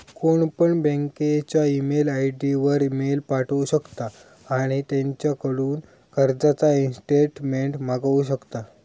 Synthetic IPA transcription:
koɳpəɳbɛ̃ŋket͡ɕjaimelajʈiʋəɾimelpaʈəuɕəkt̪aː | ɽ̃it̪ẽɲt͡ɕjakəɽuːn | kəɾd͡zat͡sainsʈeʈmeɳʈmaɡuɕəkt̪a

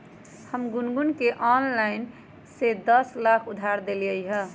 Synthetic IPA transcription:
həmɡʊnɡunkeʔɔnlaɪn | sed̪əslakʰʊd̪ʱaɾd̪eləjɦə̃

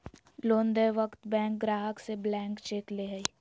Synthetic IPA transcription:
loːnd̪əʋəkt̪bɛ̃ːŋk̚ɡɾaːɦəkseblɛ̃ːŋkt͡ʃeːkleːɦəi

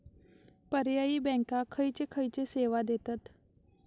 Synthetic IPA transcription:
pəɾjaiːbɛ̃ŋkakʰəjt͡sekʰəjt͡seseʋad̪et̪at̪

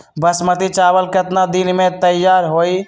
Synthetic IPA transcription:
bəsmət̪it͡ʃabəlkət̪nad̪inmet̪əjaɾɦoj

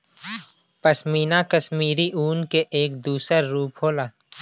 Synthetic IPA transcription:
pəsmiːnakəsmiːɾiʔuːnkeʔeːk̚d̪uːsəɾːuːpɦoːlaː

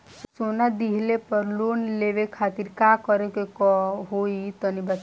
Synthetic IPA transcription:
soːnad̪iɦlepəɾloːnleːʋekʰaːt̪iɾkaːkɔɾekekɦoːit̪ənibət̪

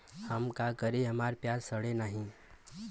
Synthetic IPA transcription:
həmkakəɾeɦɐmaːɾpjaːɾsəɽenaːɦĩ

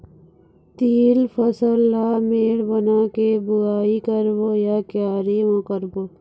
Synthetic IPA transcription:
t̪iːlpʰəsəlːaːmeːɽbənakebʊaːikəɾbojakjaːɾimõkəɾbo

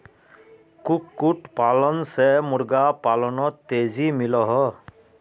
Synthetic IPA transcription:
kukːuʈpalɔnsɛmuɾɡapalɔnɔt̪ːezimilɔɦɔ

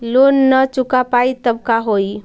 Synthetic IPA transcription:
lonːət͡ʃukapait̪əbkaɦoi

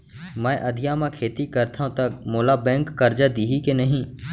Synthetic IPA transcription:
mɛ̃ːʔɐd̪ʱɪjamãkʰeːt̪ikəɾt̪ʰaɦõt̪ɐkmoːlabɛ̃ːŋkːəɾd͡ʒad̪iːɦikenəɦĩ

